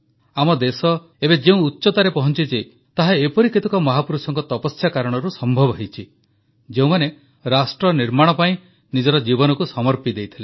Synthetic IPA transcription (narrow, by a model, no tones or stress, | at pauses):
amɔd̪esɔ | ebed͡ʒeũutːʃɔt̪aɾepɔɦɔnt͡ʃid͡ʒe | t̪aɦaepɔɾikit̪ɔkɔmɔɦapuɾusɔŋkɔt̪ɔpɔsjakaɾɔɽ̃ɔɾusɔmbʱɔbɔɦejt͡ʃʰi | d͡ʒeũmane | ɾasʈɾɔniɾmaɽ̃ɔpaĩ | nid͡ʒɔɾɔd͡ʒibɔnɔkusɔmɔɾpid̪ejt̪ʰile